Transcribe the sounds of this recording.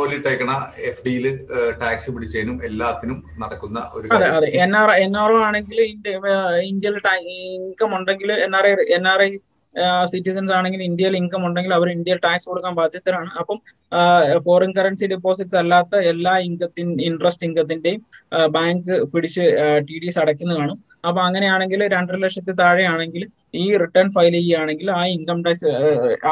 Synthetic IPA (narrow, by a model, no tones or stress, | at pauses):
soːliʈːɐjkʲːɐɳɐefɖijilɨʈaːksɨpiɽit͡ɕːejnumelːaːt̪ːinumnɐɽɐkːunːɐ̰ʔo̞ɾukɐðeɐðeenːaːrenːaːrɐmaːɳe̞ŋɡilindind̪jɐilʈaiŋkɐmuɳɖe̞ŋɡiluenːaːreenːaːre | sitːisɐnsaːɳe̞ŋɡilind̪jɐjiliŋɡɐmuɳɖe̞ŋɡilɐʋɐɾind̪jɐjilʈaːksɨkoɽukːaːnbaːd̪jɐt͡ɕːɐɾmaːɳɨʔɐpːɐm | fo̞ːrɐnkɐrɐnsiɖipːo̞ːs̬iʈːsɐlːaːt̪ːɐelːaːiŋɡɐt̪ːininɖrɐsʈiŋɡɐt̪̬ːinde̞jumbaːŋɡɨpiɽit͡ɕːɨʈiːɽisɐɽɐkʲːunːɐkaːɳum | ɐpːɐmɐŋːɐnejaːɳe̞ŋɡilɾeɳɖɐɾlɐkʂjɐt̪ːet̪aːɻijaːɳe̞ŋɡil | iːriʈːɐrnfɐjliɡijaːɳe̞ŋɡilaːiŋkɐmʈɐjksɨ